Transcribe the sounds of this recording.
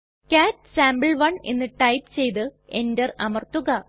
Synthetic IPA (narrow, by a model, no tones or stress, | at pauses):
kʲaːtsaːmbɨɭʋɐɳe̞̰nːɨʈɐjpt͡ɕe̞jt̪ɨe̞ndɐrɐ̰mɐrt̪uɣɐ